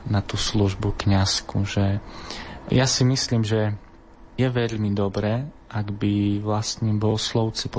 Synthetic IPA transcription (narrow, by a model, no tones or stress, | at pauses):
nat̪uːsluʒbukɲaskuʒɛ | jasimisliːmʒɛ | jɛʋɛʎmid̪ɔbɾɛː | ʔaɡbiʋlast̪ɲiːbɔlslɔʊt͡sip